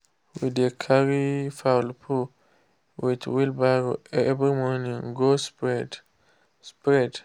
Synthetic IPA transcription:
widekʰaɹifawlpʰu | witwilbaɡoɛvɾimɔnĩŋɡospɛd | spɹɛd

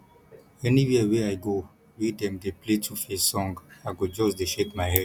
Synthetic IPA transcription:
ɛniwiəweajɡo | widɛ̃mdepletʰufesɔ̃ŋɡaɡod͡ʒɔsdeʃekmajhɛd

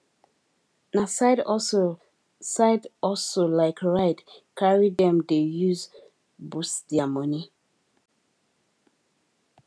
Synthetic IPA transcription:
nasaɪdɔso | saɪdɔlsolaɪkɹaɪtkʰaɹidɛ̃mdejuz | busd̥iamɔni

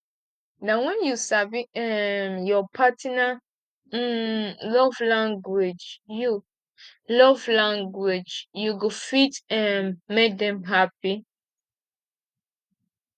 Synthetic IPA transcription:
nawɛ̃njusaviɛmjɔpʰatʰna | lɔvlãŋɡwid͡ʒju | lɔvlãŋɡwid͡ʒjuɡofitɛmːek̚dɛ̃mɦapi

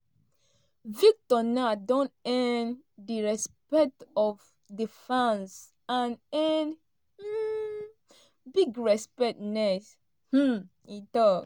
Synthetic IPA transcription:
vik̚tɔnadõntɛ̃ndiɹɛspɛk̚tɔv | difãns | ãnɛnd̩ | biɡɹɛspɛt̚nɛs | h̩ | itɔ

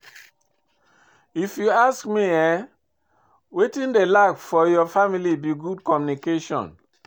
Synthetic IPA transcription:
ifjuaskmiɛ | wetĩndelakfɔjɔfamilibiɡudkɔmjunikeʃɔ̰̃n

